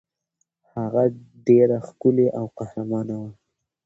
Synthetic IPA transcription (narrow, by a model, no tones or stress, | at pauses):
haɣa | ɖeɾaxkʊleʔawqahɾamɑnawa